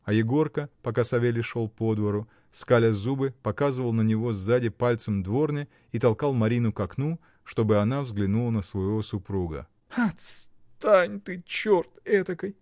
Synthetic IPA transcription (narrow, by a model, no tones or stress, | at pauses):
ɐjɪɡo̞rkəpɐkasɐvʲelʲɪʂolˠpod̪vəɾʊ | skalʲəzubɨpɐkazɨvəlˠnənʲɪvo̞zːadʲɪpalʲt̪səmd̪vo̞rnʲɪ | it̪ɐlˠkalˠmɐɾʲinʊkɐknu | ʂt̪o̞bɨɐnavzɡlʲɪnulˠənəsvəjɪvo̞sʊpɾuɡə̰ | ɐt̪st̪anʲt̪ɨt͡ɕort̪ɛt̪əkəj